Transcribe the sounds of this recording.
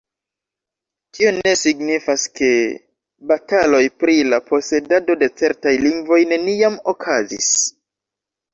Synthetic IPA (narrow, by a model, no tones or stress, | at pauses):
tione̞siɡnifaske̞ | batalo̞jpɾilapʰo̞se̞dado̞de̞t͡se̞ɾtajliŋɡvo̞jne̞nijamo̞kʰazḭs